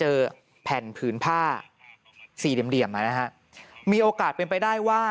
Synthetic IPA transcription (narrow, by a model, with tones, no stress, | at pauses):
t͡ɕɤː˧ | pʰɛ˨˩npʰɯː˩˦˥npʰaː˥˩ | siː˨˩di˨˩əmdi˨˩əmʔa˧˩na˦˥kʰa˦˥ʔ | miː˧ʔoː˧kaː˨˩t̪̚pe˧np̬a˧jdaː˥˩jwaː˥˩